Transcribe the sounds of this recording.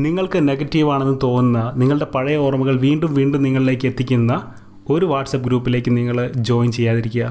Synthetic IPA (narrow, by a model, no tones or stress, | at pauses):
niŋːɐɭkɨne̞ɡɐtːiʋaːɳe̞nːɨt̪o̞ːnunːɐniŋːɐɭɨɽe̞pɐɻɐjɐorɐmuɣɐɭʋiːɳɖumʋiːɳɖumniŋːɐɭile̞ːkːe̞t̪ːikʲːunːɐ | o̞ɾuʋaːʈsɐp̚ːɡɾuːpːile̞ːkʲːɨniŋːɐɭd͡ʑo̞ːjnt͡ɕe̞jːaːðiɾikʲːuɣɐ